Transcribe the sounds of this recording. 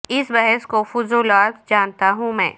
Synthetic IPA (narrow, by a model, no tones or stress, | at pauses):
ɪsbɛɦɛskofʊzuːlaːt̪d͡ʒaːnt̪aɦũmɛ̰̃ː